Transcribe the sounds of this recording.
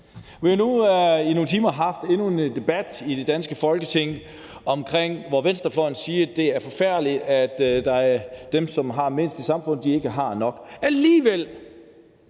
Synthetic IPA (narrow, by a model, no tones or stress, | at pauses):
ʋihanuino̝ːn̩t͡sʰiːmɐɦɑ̈fd̥e̝nue̝nd̥e̝b̥æd̥id̥e̝d̥ænsɡ̥əfɒ̽lɡ̥ət͡sʰe̝ŋ̰ | ɒ̽mkʰʁeŋ̰ʋɒʋen̰sd̥ɐflɒ̽ɪn̩siːɐd̥e̝æɐfɒ̽fæɐ̰d̥li̥æd̥d̥ɑ̈æɐd̥emsɒ̽mɦɑ̈me̝n̰sd̥isɑ̈mfɔ̽n̰d̥ie̝ɡ̥əɦɑ̈nɒ̽ɡ̥æliːʋel̰